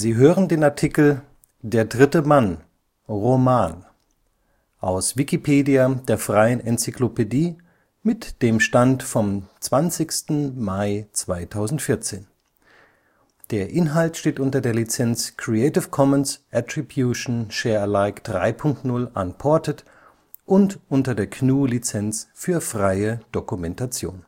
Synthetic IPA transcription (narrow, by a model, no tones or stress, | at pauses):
ziːɦøːʁəndeːnaɐtʰikl̩ | deːɐdʁɪtəman | ʁomaːn | ʔaʊsv̥ikipʰeːdiadeːɐfʁ̥aɪənʔɛnt͡siklopediː | mɪtd̥eːmʃtantfɔmt͡sv̥ant͡sɪçstn̩maɪt͡sv̥aɪtʰaʊzn̩tfɪɐt͡seːn | d̥eːɐʔɪnɦaltʃteːtʔʊntɐdeːɐlit͡sɛnt͡skʁ̥iɛɪtɪfkʰɔmənsʔatʁ̥ibjuʃn̩ʃɛːɐlaɪkd̥ʁa̰ɪpʰʊŋk̚tnʊlʔa̰npʰɔɐtʰət | ʔʊntʔʊntɐdeːɐkʰnuːlit͡sɛnt͡sfyːɐfʁ̥aɪəd̥okumɛntʰat͡sjo̰ːn